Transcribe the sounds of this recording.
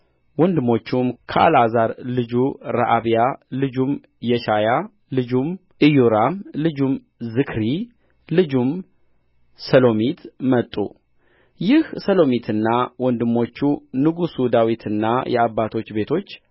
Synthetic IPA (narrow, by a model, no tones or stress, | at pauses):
wɔnd̪ɨmo̞t͡ʃːumkʰəʔa̰lazaɾlɨd͡ʒuɾa̰ʔaβijalɨd͡ʒum | jɛʃaja | lɨd͡ʒum | ʔɨjuɾamlɨd͡ʒum | zɨkʰɾi | lɨd͡ʒum | səlo̞mit̪mət̪ʼːṵ | jɪhsəlo̞mit̪ʰɨnːawɔnd̪ɨmo̞t͡ʃːunɨɡusud̪awit̪ʰɨnːajʔɛ̰aβːat̪ʰo̞t͡ʃːbe̞t̪ʰo̞t͡ʃː